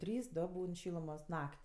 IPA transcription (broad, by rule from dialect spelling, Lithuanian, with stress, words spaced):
ˈtʲrʲiːs ˈdoː ˈbuːn ˈʃʲiːlˠʊmoːs ˈnɐkʲtʲ